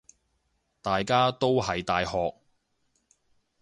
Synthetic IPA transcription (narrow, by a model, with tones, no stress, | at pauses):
t̪aː˨jkaː˥t̪o˥wɦɐ˨jt̪aː˨jhɔː˨k̚